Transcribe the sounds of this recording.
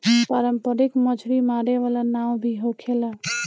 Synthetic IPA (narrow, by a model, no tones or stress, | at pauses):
paɾəmpəɾikməd͡ʒʰɾimaɾeʋalanawbʱiɦokʰela